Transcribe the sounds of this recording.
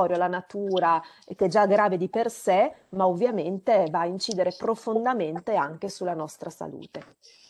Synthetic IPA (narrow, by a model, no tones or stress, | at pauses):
ɔɾjolanat̪uːɾa | k̟ɛd͡ʒaɡɾaːved̪ipersemaovːjament̪evaːint͡ʃiːd̪eɾepɾofond̪ament̪eaŋk̟esulːanɔst̪ɾasa̰lṵːt̪e